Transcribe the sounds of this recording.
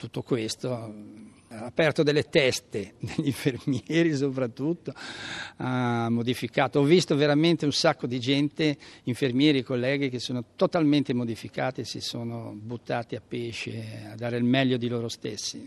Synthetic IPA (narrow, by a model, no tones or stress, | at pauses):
t̪ut̪ːokwest̪o | aːpːɛrt̪od̪elːet̪ɛst̪ed̪eʎːiɱfermjɛːɾis̬opɾat̪ːut̪ːoamːod̪ifikaːt̪oɔvːist̪oveɾament̪eunsakːod̪id͡ʒɛnt̪eiɱfermjɛːɾiekolːɛːɡik̟esːoːnot̪ot̪alment̪emod̪ifikaːt̪iesḭsoːno̰but̪ːaːt̪iapːeːʃead̪aːɾeilmɛʎːod̪iloːɾost̪esːi